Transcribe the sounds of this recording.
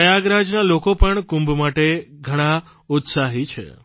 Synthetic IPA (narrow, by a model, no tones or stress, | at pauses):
əjaɡɾad͡ʒnalokopəɳkũmbʱmaʈeɡʱəɽ̃a | ut̪saɦit͡ʃʰḛ